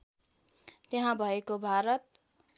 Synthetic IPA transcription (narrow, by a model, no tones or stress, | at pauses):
t̪eɦãbʱʌekobʱaɾʌt̪̚